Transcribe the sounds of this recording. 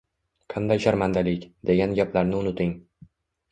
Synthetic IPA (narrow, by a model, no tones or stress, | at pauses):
qʰɑnd̪ajʃaɾmand̪alɪkʲd̪e̞ɡʲanɡʲaplaɾnɪʊnɪt̪ɪŋ